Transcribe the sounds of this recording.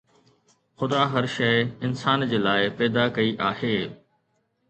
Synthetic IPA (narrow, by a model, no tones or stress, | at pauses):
xʊd̪aɦɐɾʃɐɪɪnsaːnd͡ʑeːlaːɪpɛːd̪akɐiʔaːɦeː